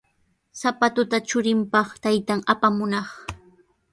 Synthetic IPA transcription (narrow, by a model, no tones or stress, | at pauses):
sapat̪ʊt̪at͡ʃʊɾɪmpɑχt̪ajt̪aŋapamʊnɑχ